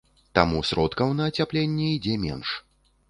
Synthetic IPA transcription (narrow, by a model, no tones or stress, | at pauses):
t̪a̰musɾɔt̪kɐwnɐːt͡sʲaplʲɛnʲːɛid͡zʲɛmʲɛ̰nʂ